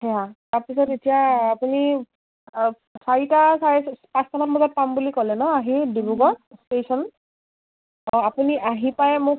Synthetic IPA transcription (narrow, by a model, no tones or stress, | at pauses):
hɛataɹpisɔtetijaːpuni | saɹitasaɛpãstʰanabɔzɔt̚pambulikɔlɛnɔaɦidibuɡɔstesɔn | ɔapuniʔaɦipajmʊk̚